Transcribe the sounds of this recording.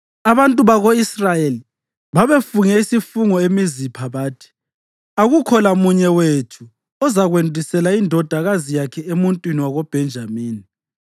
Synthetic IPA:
aβantʼuβaɣoisrajeli | βaβefuŋɛisifuŋɔemizipʰaβaːtʰi̥ | aɣukʰɔlamuɲɛwetʰu | ɔzaɣwendʱisɛlaindʱɔd̥ʱaɣazijakʰɛemuntʼwiniwaɣob̥ʱɛnd͡ʒʱamiːni

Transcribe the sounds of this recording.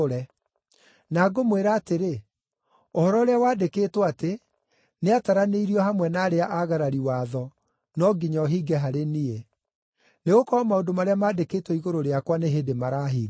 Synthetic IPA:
ɾɛ | naɡomweɾaːteɾe | ohɔɾɔoɾeawaːdekeːtwɔate | neataɾaneiɾiɔhamwɛnaːɾeaʔaɣaɾaɾiwaðɔ | nɔɡiɲɔɦiːɡɛɦaɾenie | neɣokɔmaodomaɾeamaːdeketwɔiɣoɾoɾeakwaneɦedemaɾaɦiː

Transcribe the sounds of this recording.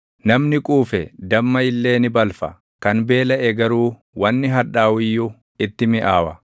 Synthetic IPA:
nɐmnɪkʼuːfɛd̪ɐmːɐɪlːe̞ːnɪbɐlfɐ̰ | kɐnbe̞ːlɐʔɛɡɐɾuː | wɐnːɪɦɐᶑaːwɪjːʊ | ɪt̪ːɪmɪʔaːwɐ

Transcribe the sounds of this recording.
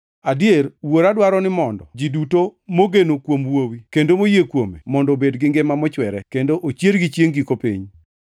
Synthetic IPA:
adieɾwoɾadwaɾɔnɪmɔndɔ̰d͡ʒidutomoɡenokwomwowikendomojekwomḛmɔndɔbedɡɪŋɡemamɔt͡ʃwɛɾɛkendoʔot͡ʃjeɾɡit͡ʃjeŋɡikopḭɲ

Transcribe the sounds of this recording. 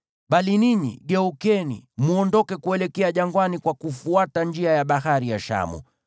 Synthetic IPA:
ɓaliniɲḭɡɛukɛnḭmuɔndɔkɛkuɛlɛkɛaʄaŋɡwanikwakufuataɲd͡ʒiajaɓaɦaɾijaʃa̰mṵ

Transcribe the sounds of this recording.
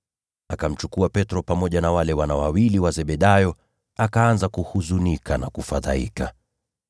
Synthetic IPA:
akam̩t͡ʃukuapɛtɾɔpamɔʄanawalɛwanawawiliwazɛɓɛɗajɔ | akaanzakuhuzunikanakufaðaḭka

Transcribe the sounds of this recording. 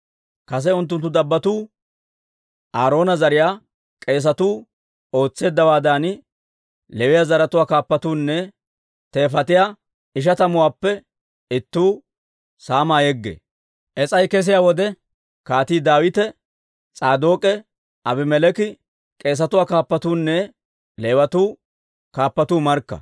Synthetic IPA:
kɐs̬ɛʊnt̪ːʊnt̪ːʊd̪ɐbːɐt̪uː | ʔaːɾo̞ːnɐzɐɾɪjaː | kʼe̞ːs̬ɐt̪uː | o̞ːt͡sːe̞ːd̪ːɐwaːd̪aːn | lɛwɪjazɐɾɐt̪ʊwaːkaːpːɐt̪uːnːɛ | t̪e̞ːfɐt̪ɪjaː | ɪʃ̬ɐt̪ɐmʊwaːpːɛ | ɪt̪ːuː | saːmaːjɛɡːḛː | ʔɛt͡sʼɐjkɛs̬ɪjaːwɔd̪ɛ | kaːt̪iːd̪aːwɪt̪ɛ | t͡sʼaːd̪oːkʼɛ | ʔɐbɪmɛlɛkɪ | kʼe̞ːs̬ɐt̪ʊwaːkaːpːɐt̪uːnːɛ | leːwɐt̪uː | kaːpːɐt̪uːmɐɾkːɐ̰

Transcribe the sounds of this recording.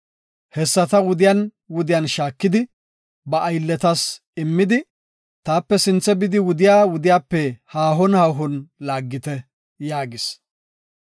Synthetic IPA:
hɛsːɐt̪ɐwʊd̪ɪjan | wʊd̪ɪjanʃaːkːɪd̪ɪ | bɐʔːjlːɛt̪ɐs | ɪmːɪd̪ɪ | t̪aːpːɛsɪnt͡sːɛbɪd̪ɪwʊd̪ɪjaːwʊd̪ɪjaːpːɛhaːɦɔnhaːɦɔnlaːɡːɪt̪ɛ | jaːɡɪs

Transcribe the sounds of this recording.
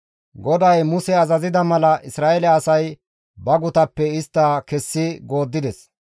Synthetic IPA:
ɡɔd̪ɐjmʊsɛɐzɐzɪd̪ɐmɐlɐʔɪsɾaːɛlɛːsɐj | bɐɡʊt̪ɐpːɛɪst̪ːaːkɛsːɪɡo̞ːd̪ːɪd̪ɛs

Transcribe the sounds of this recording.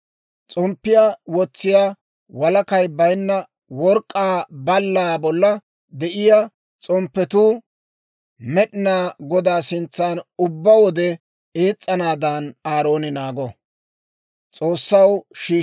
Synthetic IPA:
t͡sʼɔmpːɪjawɔt͡sːɪjaː | wɐlɐkɐjbɐjnːɐ | wɔɾkʼːaːbɐlːaːbɔlːɐ | d̪ɛʔɪja | t͡sʼɔmpːɛt̪u | mɛɗɪnaːɡɔd̪aːsɪnt͡sːaːnʊbːɐwɔd̪ɛ | eːt͡sʼːɐnaːd̪anaːɾo̞ːnɪnaːɡɔ | t͡sʼoːsːɐwʃiː

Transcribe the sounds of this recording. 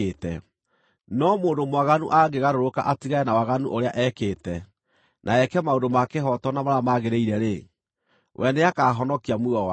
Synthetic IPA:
etɛ | nɔmoːndomwaɣanṵʔaɡeɣaɾoɾoka̰ʔatiɣaɛnawaɣanuʔoɾeaʔɛkeːtɛ | nʔaɛkɛmaodomakeɦɔtɔnamaɾamaɣeɾeiɾɛɾe | wʔɛneakaːɦɔnɔkiamuɔwa

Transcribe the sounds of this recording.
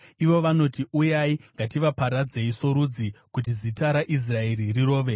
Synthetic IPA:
iʋo̞ʋano̞tiʔujaiŋɡatiʋapaɾad͡ze̞iso̞ɾud͡zikut̬izitaɾaʔis̬rae̞ririro̞ːʋe̞

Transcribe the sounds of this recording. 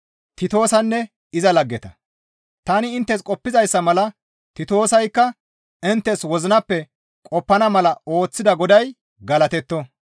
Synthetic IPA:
t̪ɪt̪o̞ːsɐnːɛ | ɪzɐlɐɡːɛt̪ɐ | t̪ɐnɪːnt̪ːɛskʼɔpːɪzɐjsːɐmɐlɐ | t̪ɪt̪o̞ːsɐjkːɐ | ɪnt̪ːɛswɔzɪnɐpːɛ | kʼɔpːɐnɐmɐlɐo̞ːt͡sːɪd̪ɐɡɔd̪ɐj | ɡɐlɐt̪ɛt̪ːɔ

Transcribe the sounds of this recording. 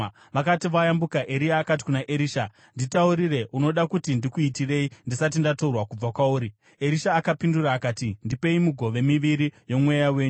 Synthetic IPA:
ʋakatiʋajambukaʔe̞ɾijaːkat̬i̥kunaʔeɾiːʃa | nditauɾire̞ʔuno̞ɗakutindikuitire̞indisat̬indatourwakub͡vakwauːɾi | e̞ɾiʃaːkapinduraːkaːtindipe̞imuɡʱo̞ʋe̞miʋiɾijo̞mwejawe̞ːɲu

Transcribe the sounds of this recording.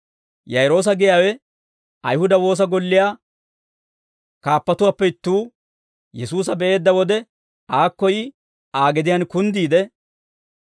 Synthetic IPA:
jɐjɾo̞ːs̬ɐɡɪjaːwɛ | ɐjhʊd̪ɐwo̞ːs̬ɐɡɔlːɪjaː | kaːpːɐt̪ʊwaːpːɛɪt̪ːuː | jɛsuːs̬ɐbɛʔe̞ːd̪ːɐwɔd̪ɛ | aːkːɔjɪ | aːɡɛd̪ɪjɐːnkʊnd̪iːd̪ɛ

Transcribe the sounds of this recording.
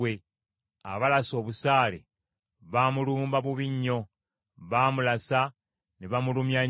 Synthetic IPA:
e | a̰βalaso̞ːβusaːlḛ | βaːmuluːmbaβuβiɲːo̞ | βaːmulasa | niβamulumja

